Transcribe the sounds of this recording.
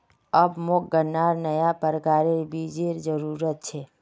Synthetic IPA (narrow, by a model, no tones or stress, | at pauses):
əbmok̚ɡənːaɾnəjapəɾəkaɾeɾbʱid͡ʒeɾd͡ʒəɾuɾət̪̚t͡ʃʰe